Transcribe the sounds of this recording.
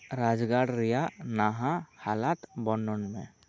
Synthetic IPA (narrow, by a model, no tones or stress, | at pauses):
ɾad͡ʒɡaɽɾijanaɦãhalat̪bɔnɔnmẽ